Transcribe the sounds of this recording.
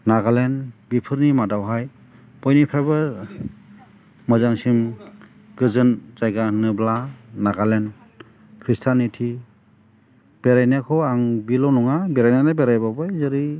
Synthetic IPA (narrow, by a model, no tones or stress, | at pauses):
naɡalenbipʰɯɾnimadawɦaj | b̥ɔjnipʰajbɯ | mɯzaŋsim | ɡ̥ɯzɯnzajɡanɯblanaɡalen | kʰɾistʰanitʰi | b̥eɾajnakʰɔaŋbilɔnɔŋabeɾajnanabeɾajbabɯjzɯɾi